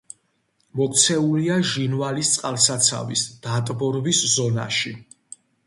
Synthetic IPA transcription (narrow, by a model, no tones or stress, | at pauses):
mɔkt̪sʰɛuliaʒinvalist̪sʼqʼalˠsat̪sʰa̰vḭsd̪̥at̪ʼbɔɾviszɔna̰ʃi